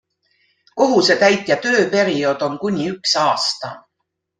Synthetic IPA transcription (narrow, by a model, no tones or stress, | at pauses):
ko̞ɦuse̞t̪æjt̪ˑjɑt̪ø̞ːpe̞ɾio̞ːd̪̥o̞nkunʲiyksɑːst̪ɑ